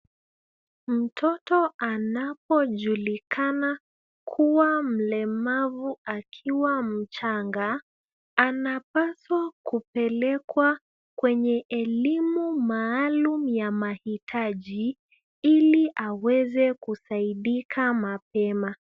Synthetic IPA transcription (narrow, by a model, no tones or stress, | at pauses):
m̩tʰɔtɔanapɔʄulikana | kʰuwam̩lɛmavuakʰiwam̩t͡ʃaŋɡaː | napaswakupɛlɛkwa | kwɛɲɛʔɛlimumaːlumjamahitʰaʄi | iliʔawɛzɛkusaiɗikʰamapɛma